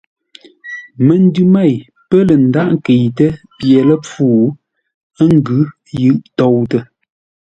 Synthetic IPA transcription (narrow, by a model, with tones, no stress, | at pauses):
mə˨n˦dʉ˦ma˦˨j | pə˦lə˨n˦da˦˨ʔŋ˦ke˨jtə˦ | pjɛ˨lə˦p͡fuː˦˨ | ə˦ŋ˦ɡʉ˨˦ | jʉ˦˨ʔtɔ˨wtə˨